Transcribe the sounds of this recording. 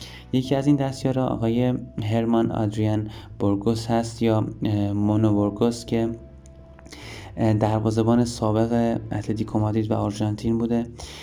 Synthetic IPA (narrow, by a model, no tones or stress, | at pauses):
je̞cʰiæziːnd̪æst̪jɒːɾɒʔɒ̰ɣɒːje̞ɦe̞ɾmɒnɒ̰d̪ɾijænb̥oɾɡoshæst̪jɒːmonoboɾɡoscʰe̞ | d̪æɾvɒːze̞bɒːnesɒːbe̞ɣeʔæt̪let̪ʰikʰomɒd̪iːd̪væoɾʒɑnt̪ʰiːnbuːd̪e̞